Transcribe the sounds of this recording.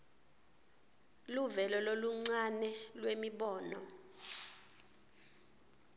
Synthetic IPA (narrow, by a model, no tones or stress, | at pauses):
luvɛlɔloluŋ͡ǀanɛlwemiɓɔːnɔ